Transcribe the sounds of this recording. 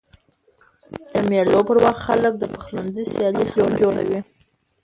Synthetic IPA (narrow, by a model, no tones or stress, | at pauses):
d̪̥əmelopəɾwaxxalək̚d̪əpəxlanzisjɑlihd͡ʒoɽd͡ʒoɽa̰wi